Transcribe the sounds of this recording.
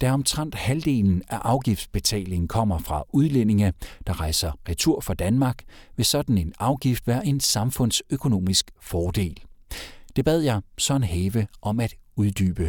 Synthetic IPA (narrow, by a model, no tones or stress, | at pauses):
d̥æɒ̽mt͡sʰʁan̰d̥hæld̥e̝̰ːln̩æʔɑ̈ʊɡ̥ifd̥sb̥e̝t͡sʰɛ̰ːle̝ŋ̩kʰɒ̽m̰ɐfʁɑ̈uð̞ˠlene̝ŋɐd̥ɑ̈ʁɑ̈ɪsɐʁɛt͡sʰuɐ̰fɑ̈d̥ænmɑ̈ːɡ̥ʋe̝sɒ̽d̥n̩e̝nɑ̈ʊɡ̥ifd̥ʋæːɐʔe̝nsɑ̈mfɔ̽n̰søkʰo̝no̝̰ːmisɡ̥fɒːd̥e̝̰ːld̥e̝b̥ɛð̞̰ˠjɑ̈ɪsɒ̽e̝nɦeːʋəʔɒ̽mæd̥uð̞ˠd̥y̰ːb̥ə